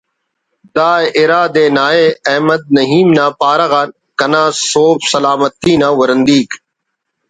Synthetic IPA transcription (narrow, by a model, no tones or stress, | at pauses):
d̪aːʔɪɾaːd̪eːnaːeːɐɦməd̪̚nɐɦiːmnãːpaːɾɐɣan | kɐnãːsoːfsɐlaːmət̪iːnaːʋɐɾənd̪iːk